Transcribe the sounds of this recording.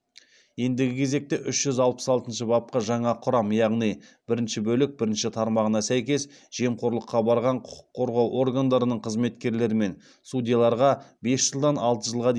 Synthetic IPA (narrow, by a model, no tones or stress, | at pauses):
je̞nd̪ɪɡʲɪkʲʰe̞ze̞k̚t̪eʔʏʃʒ̥ʏzɑlˠpə̥sɑlˠt̪ənʃəbɑp̚qɑʒɑɴɑqʰʊɾɑmjɑʁnijb̥ɪɾɪnʃɪbɵlɪk̚bɪɾɪnʃɪt̪ʰɑɾmɑʁənɑsæjkʲe̞s | ʒ̥e̞mqʰo̞ɾlˠəqːɑbɑɾʁɑɴqʰʊ̥qʰʊ̥qʰːo̞ɾʁɑwʔo̞rɡand̪ɑɾənəɴqʰəzme̞t̪kʲe̞ɾle̞ɾɪme̞n | sud̪ʲijalˠɑɾʁɑbe̞sʒ̥əlˠd̪ɑnɑlˠt̪əʒəlˠʁɑd̪e